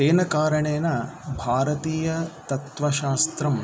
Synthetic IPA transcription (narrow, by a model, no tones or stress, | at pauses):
eːnɐkaːɾɐɳeːnɐbʱaːɾɐt̪iːjɐt̪ɐt̪ʋɐʃaːst̪ɾɐm